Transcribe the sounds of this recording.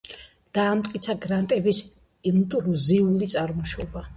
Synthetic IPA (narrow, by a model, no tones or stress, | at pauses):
d̪̥aːmt̪ʼkʼit̪sʰaɡɾant̪ʼɛbis | int̪ʼɾuziulit̪sʼaɾmɔʃɔba